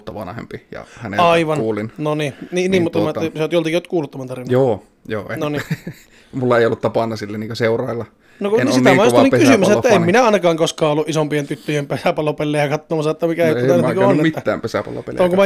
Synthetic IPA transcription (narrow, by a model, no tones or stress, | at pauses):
t̪ːɑʋɑ̰nhḛmpijɑ̰hænḛɑiiʋɑnuːlinnonininiːmmut̪ːɑmæːseot̪jolt̪ikiot̪kuːlut̪ːɑmɑnt̪ɑrʋinːoː | joːenoni | mulːɑeˑiolːut̪t̪ɑpɑnːɑsilːæniːŋkøseurɑˑelːɑ | noknsit̪æmæjosniŋkysymysæetːæemminæɑˑinɑkɑːŋkoskɑːolːuʔisompient̪yt̪ːøjempesæpɑlopelːeːjɑkɑt̪ːoːmɑsɑet̪ːæmikæːæt̪æˑnkomit̪ːæːæ̰ːmpesæpɑ̰lo̰pḛloŋkumæ